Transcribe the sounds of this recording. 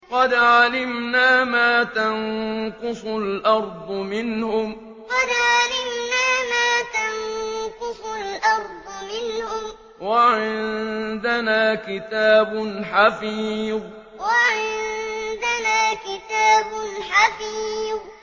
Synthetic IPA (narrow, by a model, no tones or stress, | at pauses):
qɑd̪ʕalɪmnaːmaːt̪anqʊsʊlʔɑɾˤd̪ˤʊmɪnhʊm | qɑd̪ʕalɪmnaːmaːt̪anqʊsʊlʔɑɾˤd̪ˤʊmɪnhʊm | waʕɪnd̪anaːkɪt̪aːbʊnħafiːðˤ | waʕɪnd̪anaːkɪt̪aːbʊnħafiːð